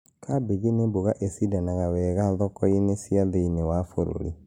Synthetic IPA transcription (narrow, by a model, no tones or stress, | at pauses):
kʰabeɣeneboɣaʔesidanaɣawɛːɣaðɔkɔinesiaðeinewafoɾo̰ɾi